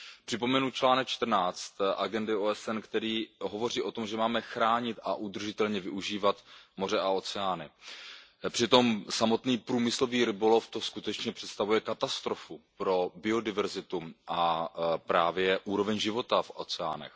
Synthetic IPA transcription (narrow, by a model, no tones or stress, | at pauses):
pr̝̥ɪpo̞mɛnut͡ʃlaːnɛk̚t͡ʃt̪r̩naːt͡st̪ʔaɡɛndɪoɛsɛnkt̪ɛɾiːɦo̞vo̞riːʔo̞t̪o̞mʒɛmaːmɛxɾaːɲɪt̪ʔaʔud̪r̩ʒɪt̪ɛlɲɛvɪʔuʒiːvat̪mo̞r̝ɛʔao̞t͡sɛaːnɪ | pr̝̥ɪt̪o̞msamo̞t̪niːpɾuːmɪslo̞viːɾɪbo̞lo̞ft̪o̞skut̪ɛt͡ʃɲɛpr̥ɛt̪st̪avujɛkat̪ast̪ɾofupɾo̞bɪo̞dɪvɛɾzɪt̪uʔapɾaːvjɛʔuːɾo̞vɛɲʒɪvo̞t̪afʔo̞̰t͡sɛa̰ːnɛ̰x